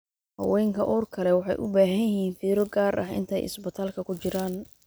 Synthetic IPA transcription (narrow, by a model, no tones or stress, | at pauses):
hɐ̰wɛːŋkʰɐʔɔːrkʰɐlɛwɑħɑ̰jʔʊ̰baːɦɐjɪɦiːnfiːɾɔɡaːɾʔɐ̰hɪ̰nt̪ʰɐ̰jɪ̰sbɪt̪ʰaːlkʰɐkʰʊt͡ʃɪɾaːn